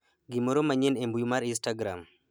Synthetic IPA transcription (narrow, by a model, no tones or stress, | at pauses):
ɡimoɾomaɲenembujumaɾinstaɡɾa̰m